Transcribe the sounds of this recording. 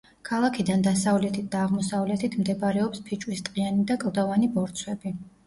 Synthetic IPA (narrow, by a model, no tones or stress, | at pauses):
kʰalˠakʰid̪and̪asavlɛt̪ʰit̪̚d̪aːʁmɔsavlɛt̪ʰit̪ʰmd̪ɛbaɾɛɔpspʰit͡ʃʼwist̪ʼqʼianid̪akʼlˠd̪ɔvanibɔɾt̪sʰwɛbi